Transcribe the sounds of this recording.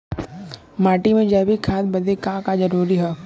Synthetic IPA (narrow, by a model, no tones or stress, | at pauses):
maːʈimẽd͡ʒɛːbʱikʰãːd̪̚bɐd̪ekaːkad͡ʒɐɾuːɾiɦɛː